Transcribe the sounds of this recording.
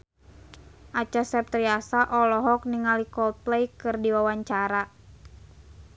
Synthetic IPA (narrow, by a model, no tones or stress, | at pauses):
ʔat͡ʃasɛp̚t̪ɾiasaʔɔlɔɦɔk̚niŋalikɔlt̪̚plɛjkɨrdiwawaɲt͡ʃaɾa